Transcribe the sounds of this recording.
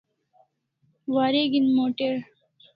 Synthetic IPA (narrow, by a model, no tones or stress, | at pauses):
waːɾeɡinmoːʈeɾ